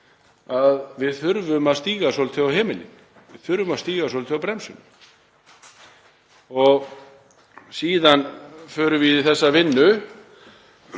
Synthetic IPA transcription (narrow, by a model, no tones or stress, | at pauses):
aðvɪðθʏɾvʏmaðst̪iːɣasɔːlt̪ʰʏawhɛːmɪlɪ̰n | vɪðθʏɾvʏmaðst̪iːɣasɔlʰɪawpɾɛmsʏn | ɔɣ | siːðanfœːɾʏvɪiθɛsːavɪnːʏ